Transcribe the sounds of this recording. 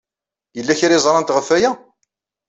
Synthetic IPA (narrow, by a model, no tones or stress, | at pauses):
jəlːæçiɾizˤɾˤɑnt̪ʁəfːæjæ